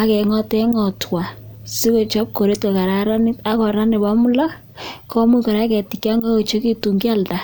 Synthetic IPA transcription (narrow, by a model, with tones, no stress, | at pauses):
a˦kɛ˨ŋɔ˦tɛ˦ŋɔ˨twa˨si˦ko˨t͡ʃɔ˦p̚ko˨ɾe˦tka˨ka˨ɾa˨ɾa˦ni˦ta˦kɔ˨ɾa˦ne˨ba˦mu˦la˦ | kɔ˦mu˦ko˨ɾa˦kɛ˨ti˨kja˦ŋa˦ko˨t͡ʃo˦ki˦tu˨ŋɡi˦a˦˨lta˨